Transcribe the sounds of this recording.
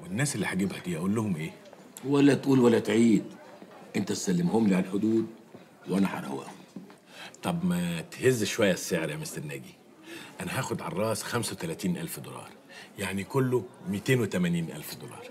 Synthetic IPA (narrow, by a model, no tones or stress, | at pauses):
wenːæːselːiːħaɡebhæd̪iːʔæʔuːlːʊhomʔeː | wælːæt̪ʔuːlwælːæt̪ʕiːd̪ʔent̪æt̪sælːemhomliʕalħod̪uːd̪̚ | wʔænæħɑ̰ɾˤɑ̰wæ̰ːhom | t̪ˤɑbmæt̪hezːʃowæjːæsːeʕɾjamest̪ænːæːɡi | ʔænæɦæːxod̪ʕɑ̰rˤːɑːsxæmsæwet̪ælæːt̪iːnʔælfd̪olɑ̰ːɾˤ | jaʕnikolːomit̪eːnwet̪æmæniːnʔæ̰lfd̪olɑ̰ːɾˤ